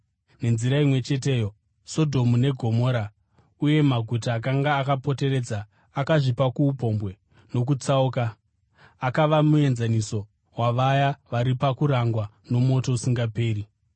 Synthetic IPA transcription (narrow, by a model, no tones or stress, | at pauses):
ne̞nziɾaimwe̞t͡ʃe̞t̬e̞ːjo̞ | so̞dʱo̞mune̞ɡʱo̞mo̞ːɾa | uje̞maɡʱutaːk̬aŋɡaːkapo̞te̞re̞d͡zaː | kaʐipakuːpo̞mbwe̞ | no̞k̬ut͡sauka | akaʋamue̞nzaniso̞ | waʋajaʋaɾipakuɾaŋɡwa | no̞mo̞to̞usiŋɡape̞ːɾi